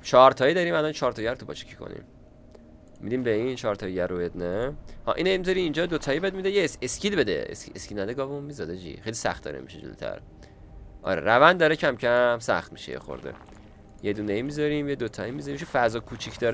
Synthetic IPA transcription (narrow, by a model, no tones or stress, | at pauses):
t͡ʃʰɒɾt̪ʰɒːid̪ɒɾiːmælɒnt͡ʃʰɒːɾt̪ʰɒːjɟæɾt̪ʰupʰɒ̰t͡ʃʰi̥cʰi̥kʰo̞̰nḭm | mid̪iːmbeint͡ʃʰɒːɾt̪ʰɒːjijæɾobed̪nehɒ̰ːʔḭnejimizɒɾiːnd͡ʒɒːd̪ot̪ʰɒːjibed̪mid̪ejeescid̪bed̪ḛḛseskʲcid̪næd̪eɡɒːveunmizɒd̪ed͡ʒḭːxejlʲisæ̰χt̪d̪ɒ̰ɾḛmḭʃed͡ʒo̰lo̰t̪ʰæ̰ɾ | ʔɒ̰ɾḛɾævænd̪d̪ːɒːɾecʰæmcʰæmsæ̰χt̪miʃḛjḛxo̰ɾd̪ḛ | jed̪uːneimizɒɾimjed̪ot̪ʰɒːimizɒɾimiʃufæzɒːkʰut͡ʃʰicʰd̪ɒɾ